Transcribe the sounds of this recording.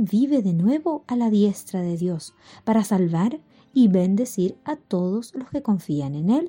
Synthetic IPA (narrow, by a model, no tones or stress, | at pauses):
biβe̞ðenwe̞βo̞alaðjest̪ɾaðeðjo̞s | paɾasalβaɾ | iβend̪e̞siɾat̪oðozlo̞skeko̞ɱfianenel